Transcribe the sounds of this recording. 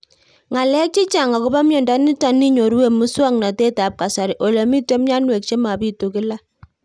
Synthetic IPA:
ŋa˨lɛ˦k̚t͡ʃi˦t͡ʃa˨ŋa˨kʊ˦ba˦mjɔ˨nda˦ni˦ta˨˦ni˦ɲo˨ɾwe˦˨mu˦swa˦ŋna˨te˦ta˨p̚ka˨sa˨ɾi˨ʔo˨le˨mi˦te˦mɲa˦nwe˨k̚t͡ʃe˦ma˨pi˦to˨kɪ˦la˦

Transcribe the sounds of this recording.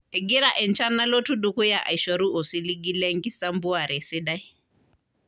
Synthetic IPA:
ɛ˨ɡi˦ɾa˦ʔɛ˨nt͡ʃa˦na˦lo˦tu˦ɗu˦ku˦ja˦ʔa̰˨i˨ʃwa˨ɾu˦ʔɔ˨si˦li˦ɡi˦lɛ˦ŋɡi˦sa˦mbu˦a˨ɾɛ˨sɪ˦ɗa˦i˦

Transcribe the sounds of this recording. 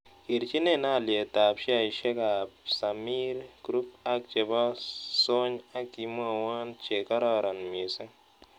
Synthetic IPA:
i˨ɾt͡ʃi˦ne˦˨na˦˨lje˨ta˨pʃi˦a˨i˨ʃe˦ka˨psa˨mi˦ɾɡ̥ɾu˦pa˦k̚t͡ʃe˨bɔ˦so˦ɲa˦ki˨mu˦a˨wa˦nt͡ʃe˨ka˦ɾɔ˦ɾa˨nmi˨se˦

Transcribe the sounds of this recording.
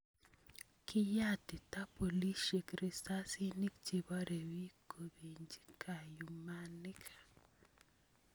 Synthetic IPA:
kɪ˦ja˦tɪ˨ta˦po˨li˦ʃe˨kɾi˨sa˦si˦ni˦k̚t͡ʃi˨bɔ˦ɾe˨wi˦ko˨bi˨ɲd͡ʒi˦kʰa˨ju˨ma˦nɪ˦kʰḁ˨

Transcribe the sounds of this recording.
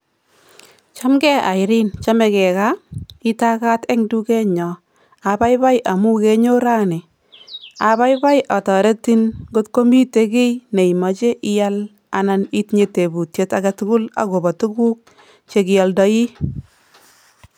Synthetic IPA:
t͡ʃa˦mɡɛ˦a̰˨ɪɾɪ˦nt͡ʃa˦mɛ˨kɛ˨ka˦ɪ˦ta˦ka˦tɛ˦ŋdu˦kɛ˦ɲɔ˨ | a˨ba˦jba˦jʔa˨mu˦ke˦ɲo˦ɾa˦ne˨ | a˨ba˦jba˦jʔa˨tɔ˨ɾe˦ti˦nɡo˦tko˦mi˦te˦kɪ˦jne˨i˨mɔ˨t͡ʃe˦ʔɪ˦ja˦l | a̰˨na˦ni˦tɲe˨te˨bu˨tje˦ta˦ɡa˦tʊ˦kʊ˦la̰˨ɡo˨ba˨tu˦ku˦k̚ | t͡ʃe˦kɪ˨jɔ˦ldɔ˦ji˦

